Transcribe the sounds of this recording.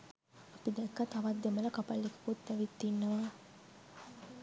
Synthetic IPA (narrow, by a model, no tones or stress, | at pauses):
apid̪ɛkːat̪ɐʋad̪ːemələkapalːikə̥kut̪ːɛʋit̪ːinːəʋaː